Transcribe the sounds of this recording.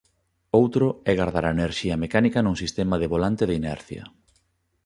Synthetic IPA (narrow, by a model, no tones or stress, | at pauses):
owt̪ɾʊɛɣaɾðaɾaeneɾʃiɐmekanikɐnuŋsist̪emɐðeβolant̪eðinɛɾθjɐ̰